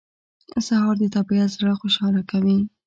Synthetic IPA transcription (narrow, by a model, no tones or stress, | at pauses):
sahɑɾd̪ət̪abiazɾaxoʃɑlakawi